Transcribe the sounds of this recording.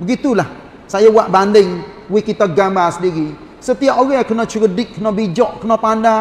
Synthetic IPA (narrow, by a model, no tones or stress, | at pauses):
bəɡit̪ulah | sajawaʔbandɪŋ | wikit̪aɡambasədiɡi | sət̪iaʔoɣakənɔt͡ʃəɡədɪkkːənɔbid͡ʒɔʔkənɔpanda